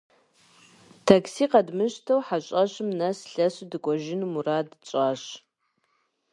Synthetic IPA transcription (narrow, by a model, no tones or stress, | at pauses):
tʰaksiːqɐdmɨʃtʰɐwħaɕʼɐɕɨmnɐsɬɐsdɨkʷʼɔʒɪnmuradt͡ʃʷʼaːɕ